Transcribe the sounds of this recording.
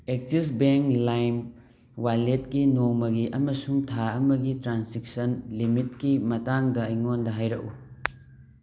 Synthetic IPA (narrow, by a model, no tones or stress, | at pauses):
ek̚sisbeŋklajm | walet̚kinoŋmɐɡiʔɐmɐsuŋtʰaɐmɐɡitɾansik̚sɐnlimitkimɐtaŋdɐːjŋondɐɦajɾɐku